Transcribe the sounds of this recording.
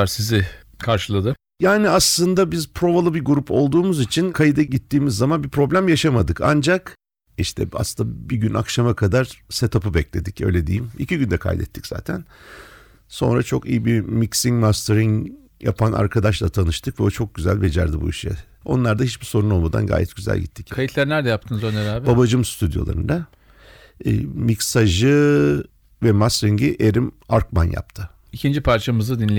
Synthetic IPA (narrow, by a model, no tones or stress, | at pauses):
aɾsizɪ | kʰaɾʃɯlˠad̪ɯ | jaːniaslˠɯnd̪abizpʰɾo̞valˠɯbiɡuɾupʰo̞lˠd̪uːmuzit͡ʃʰinkʰajid̪aɟit̪ːiːmizːamanbipɾo̞blʲæmjaʃamad̪ɯka̰nd͡ʒak | iʃt̪ʰɛ̰a̰sɯnd̪abiɟyna̰kʃamakʰad̪aɾ̥set̪ʰapɯbɛclʲe̞d̪icø̞̰jlʲed̪ejimḭciɟynd̪ɛkʰa̰jd̪ɛ̰t̪ʰːi̥cz̥a̰ːt̪ʰæn | so̞̰nɾa̰t͡ʃʰo̞kḭjibimicsiŋmast̪ʰeɾiŋ | ja̰pʰana̰ɾkʰad̪aʃlˠat̪ʰanɯʃt̪ʰɯkvɛot͡ʃʰo̞k̚ɟyzælʲbed͡ʒæ̰ɾd̪ibuiʃɛ̰ | o̞̰nlˠaɾd̪ahit͡ʃbiso̞ɾuno̞lˠmad̪a̰nɡa̰ːjɛ̰t̪̚ɟ̥yzæ̰lʲɟḭt̪ʰːi̥ckajit̪lʲæɾnʲæɾd̪ɛjap̚t̪ʰɯnzonʲeɾaːbbabaʒɯmst̪ʰyd̪jo̞̰lˠa̰ɾɯ̰nd̪a | micsaʒɯ | vɛmast̪ɾiɲɟiʔeɾimaɾkmanja̰pt̪ʰɯ | icʰind͡ʒipʰaɾt͡ʃʰamɯzɯd̪inlʲe